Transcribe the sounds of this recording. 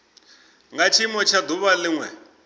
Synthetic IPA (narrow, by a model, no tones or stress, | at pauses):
ŋɡat͡ʃʰimɔt͡ʃʰad̪uβalɪŋwɛ̰